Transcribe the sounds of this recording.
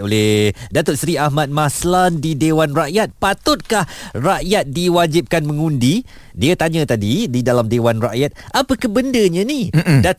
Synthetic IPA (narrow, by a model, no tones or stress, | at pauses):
olehdat̪ʊt̪̚sɾiahmat̪̚maslandidewanraʔjat̪̚pat̪ʊt̪̚kahraʔjat̪̚diwad͡ʒip̚kanmə̃ŋundi | diat̪aɲə̃t̪adididalamdewanraʔjat̪̚apəkəbəndəɲãnida